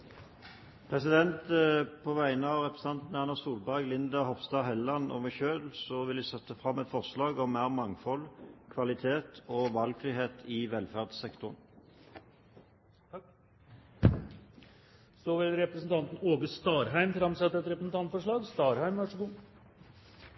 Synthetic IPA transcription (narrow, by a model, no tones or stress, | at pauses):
pʰʁɛsɪd̪ɛnt̪pʰɔʋæɪnəɑʋʁɛpɾɛsnɑnt̪n̩ɑnɑsuːlbæʁɡlɪnd̪əhɔpst̪ɑːɦɛlːɑnɔ̰mæɪçøːlsɔʋɪlɪsɛt̪ːəfʁɑmːɛt̪fɔʁslɑːɡɔmːæːʁmɑŋfɔlkʰʋɑlɪt̪ʰeːt̪ʰɔʋɑlɡfʁiːheːt̪ʰɪʋɛlfæʁd̪sɛkt̪ʊʁn | sɔʋɪlɾɛpɾəsn̩t̪ʰɑnt̪n̩oːɡəst̪ɑːɾɦæɪmfɾɑmsɛt̪ːəɛt̪ɾɛpɾəsn̩t̪ɑnt̪fɔʂɭɑːɡst̪ɑːɾhæɪmʋɑʂəɡuː